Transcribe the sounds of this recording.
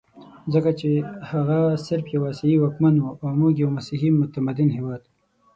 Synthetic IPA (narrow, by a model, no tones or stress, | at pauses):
zəkat͡ʃehaɣasɪɾfjawɑseiwɑkmanuʔamuɡjawmasiɦimʊt̪amad̪ɪnɦewɑːd̪u